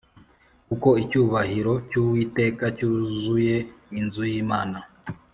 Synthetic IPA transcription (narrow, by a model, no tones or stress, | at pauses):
kuko̞icuːβahiɾo̞cuwite̞ːkacuzuje̞inzujiːmaːna